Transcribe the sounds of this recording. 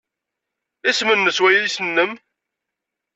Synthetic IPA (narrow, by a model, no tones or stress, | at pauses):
æsmənːəswæjæðisənːəm